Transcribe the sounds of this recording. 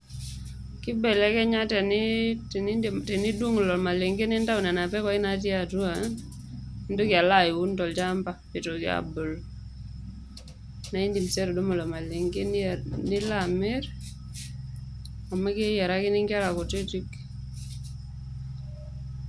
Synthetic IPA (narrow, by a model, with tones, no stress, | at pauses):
kɪ˦bɛ˨lɛ˦kɛ˦ɲa˦tɛ˨nɪtnitɛ˨ni˦du˦ŋ˨lɔ˨ma˨lɪ˨ŋɡe˦nɪ˦nta˦u˨na˨na˨pɛ˦ka˦ɪ˦na˦t̬i˦a˨tu˦a˨n˦ | ndo˦kɪ˨a˨la˦jɪ˨wu˦ntɔ˨lt͡ʃa˦mpa˨pɪ˨to˨kɪa̰˨bʊ˨l | na˨i˦ndi˨msɛ˦ɾɔ˨du˦ma˨lɔ˨ma˨li˨ŋɡe˦nnɪ˦lamɪ˦ɾ | ɔ˨ma˦ki˦jɛ˨ɾa˦kɪ˦nɪ˦ŋɡɪa˦la˨kɔ˨ti˦ti˦k